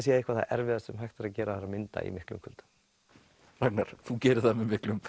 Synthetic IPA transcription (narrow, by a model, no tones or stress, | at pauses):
siːaihkvaɾθa̰ʔɛɾvɪðasɛmɦajht̪ɪɾacɛːɾaðaɾamɪnt̪a̰ḭmɪhklʏ̰mkʰʏlt̪ḁ | ɾak̚naɾ̥θucɛːɾɪθamɛðmɪhklʏm